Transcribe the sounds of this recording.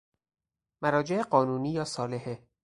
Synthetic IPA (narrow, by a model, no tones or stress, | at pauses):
mæɾɒːd͡ʒeʔeɢɒːnuːniːjɒːsɒːleɦe